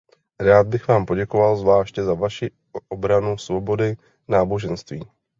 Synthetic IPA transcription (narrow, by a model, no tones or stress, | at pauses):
ɾaːd̪̚bɪxvaːmpo̞ɟɛkovalzvlaːʃcɛzavaʃi | ʔobɾanusvo̞bo̞dɪ | naːbo̞ʒɛnst̪viː